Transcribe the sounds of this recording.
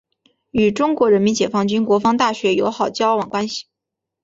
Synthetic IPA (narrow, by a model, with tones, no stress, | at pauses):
y˨˩ʈ͡ʂʊ˥ŋkwɔ˧˥ɻə˧˥nmi˧˥nt͡ɕjɛ˨˩fɑ˥ŋt͡ɕy˥nkwɔ˧˥fɑ˥ŋt̪a˥˩ɕɥɛ˧˥jo˧˥ʊxɑ˨˩ʊt͡ɕjɑ˥ʊwɑ˨˩ŋkwa˥nɕi̥˨˩